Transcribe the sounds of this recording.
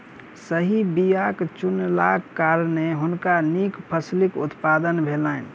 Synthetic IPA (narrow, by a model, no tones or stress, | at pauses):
səɦibijakt͡ʃunlakːaɾneɦʊnkanikpʰəslikṵt̪pad̪ənbʱelaɪn